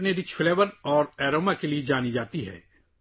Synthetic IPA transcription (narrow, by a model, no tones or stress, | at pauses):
neɾɪt͡ʃfɪleːʋəɾɔːɾɛːɾoːmakelied͡ʒaːnid͡ʒaːt̪iɦɛ̰ː